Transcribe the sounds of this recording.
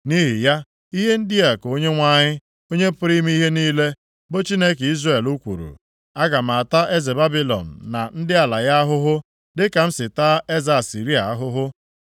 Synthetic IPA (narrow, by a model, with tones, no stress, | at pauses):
ni˦ɦi˨ja˦ | i˦ɦe˦n̩˦dɪ˦a˨ko˦ɲe˦ŋʷa˦ɲɪ˦ | o˦ɲe˦pʊ˦ɾi˦m˦i˦ɦe˦niː˦le˦ | bo˦t͡ʃi˦ne˦ki˦zre˨lu˦kʷṵ˨ɾṵ˨ | a˦ɡa˨ma˨ta˦ʔe˦ze˨ba˦bi˦lɔ̰˨n̩˨na˨n̩˦dɪ˦a˨la˨ja˦a˦ɦʊ˦ɦʊ˦ | dɪ˦ka˨m̩˦sɪ˨ta˦e˦za˨si˨ɾi˦a˨a˦ɦʊ˦ɦʊ˦